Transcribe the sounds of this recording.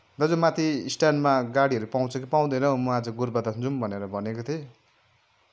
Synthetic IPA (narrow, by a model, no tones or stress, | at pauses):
d̪ʌd͡zumat̪ʰisʈanmaɡaɽiɦʌɾupaw̃t͡sʰʌkipaw̃d̪ʌjnʌmʌad͡zʌɡurbʌd̪ʌnt͡sumbʱʌneɾʌbʱʌnekot̪ʰi